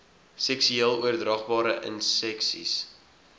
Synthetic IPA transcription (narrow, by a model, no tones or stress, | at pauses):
sɛksyeəlˠuərdrɑχbɑːɾəʔə̰nsɛksḭs